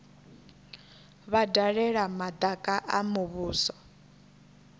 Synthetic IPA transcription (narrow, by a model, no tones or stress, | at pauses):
βadaɺɛɺamad̪akʼaʔamuβuːsɔ